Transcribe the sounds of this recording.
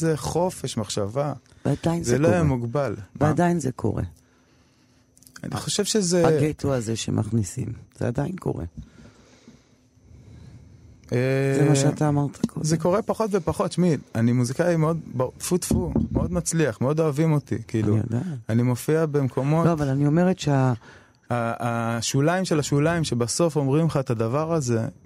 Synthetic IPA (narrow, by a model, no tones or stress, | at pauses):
zeχo̞fe̞ʃmaχʃava | vead̪ajinzeloajamuɡbalmveadainzekʰo̰ʁḛ | a̰nḭχo̞ʃevʃezeaɡet̪uazeʃḛmʔa̰χnisḭmz̥ḛa̰d̪ainko̞̰ʁḛ | ezemaʃʃat̪aːmaʁt̪ʰḁkʰo̰zeko̞ʁe̞paχo̞t̪ve̞paχo̞t̪ʃmilanimuzikaimeo̞d̪bat̪fut̪fumeo̞d̪mat͡sliaχmeo̞d̪o̞avimo̞t̪ḭkiːlṵd̪aanimo̞fiabe̞mkʰo̞mo̞oavalanio̞meʁetʃea | aːʃulaimʃelaʃulaimʃe̞baso̞fo̞mʁimχaet̪ad̪avaʁaze̞